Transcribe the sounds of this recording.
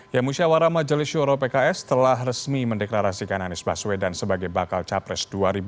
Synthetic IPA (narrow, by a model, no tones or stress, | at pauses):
jamusiawaɾamad͡ʒəlisuɾopekaɛst̪əlahrəsmiməndɛklaɾasikananɪsbaswedansəbaɡajbakalt͡ʃapɾɛsduaɾibu